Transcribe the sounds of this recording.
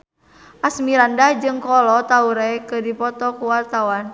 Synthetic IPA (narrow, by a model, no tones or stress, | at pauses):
ʔasmiɾandahd͡ʒɨŋkɔlɔt̪auɾakɨdipɔt̪ɔkuwart̪awan